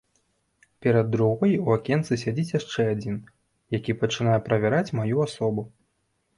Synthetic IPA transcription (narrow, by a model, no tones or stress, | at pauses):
pʲɛɾɐd̪ːɾuɣɔjuakʲɛnt̪sɨsʲad͡zʲit͡sʲjaʂt͡ʂɛad͡zʲin | jakʲipɐt͡ʂɨnajɛpɾɐvʲɛɾat͡sʲmajuasɔbu